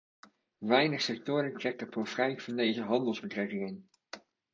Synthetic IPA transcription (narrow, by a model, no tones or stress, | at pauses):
ʋɛjnəχsɛk̚tʊːɾəntrɛk̚təpofrɛjvɑndejzəɦɑndəlˠzbətrɛkɪŋən